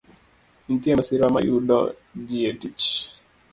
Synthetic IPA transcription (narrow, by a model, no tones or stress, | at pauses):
n̩tiasiɾama̰juɗɔ̰ | d͡ʒiɛtit͡ʃ